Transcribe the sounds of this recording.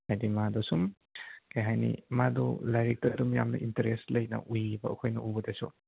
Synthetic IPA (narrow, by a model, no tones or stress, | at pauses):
hajdimadɔsum | kajɦajnḭmadɔ̰lajɾik̚tɐdumjamnɐ̰ʔintɐɾeslɐjnɐ̰ʔujibɐɐkʰojnɐʔubɐdesṵ